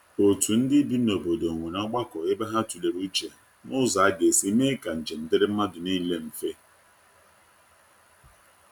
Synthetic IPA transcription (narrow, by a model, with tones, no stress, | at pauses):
o˨tu˨n̩˦dɪ˦bi˦no˨bo˨do˨ŋʷe˨nɔ˦ɡ͡ba˦kɔ˨e˦ba˦ɦa˦tu˨le˨ɾu˦t͡ʃe˨ | mʊ˦za˨a˦ɡe˨si˦me˦ka˨n̩˨d͡ʒe˨n̩˨dɪ˦ɾɪ˦m̩˦ma˦dʊ˨ni˦le˦m̩˨fe˦